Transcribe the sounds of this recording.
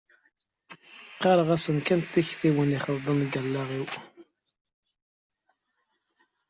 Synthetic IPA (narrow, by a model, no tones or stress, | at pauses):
qːɑɾˤəʁæsənkænt̪ːiçθiwəniχəðˤd̪ˤənɡəlːaʁiw